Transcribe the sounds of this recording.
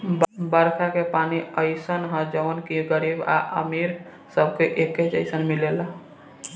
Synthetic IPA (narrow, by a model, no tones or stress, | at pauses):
bbəɾkʰakepaniəɪsənɦə̃d͡ʒəʋənkiɡəɾiba̰ʔə̰miɾ | səbʱkeʔekət͡ʃəɪsənmilel